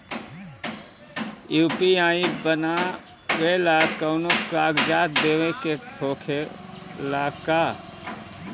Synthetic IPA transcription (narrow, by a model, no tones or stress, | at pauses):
juːpiaːĩbəna | weːlakəʊnokaːɡd͡ʒaːt̪̚d̪eːwẽkekʰoːkʰelaːka